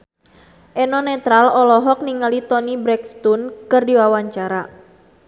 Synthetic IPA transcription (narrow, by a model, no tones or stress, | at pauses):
ʔɛnɔnɛt̪ɾalɔlɔɦɔk̚niŋalit̪ɔnibɾɛkst̪unkɨrdiwawaɲt͡ʃaɾa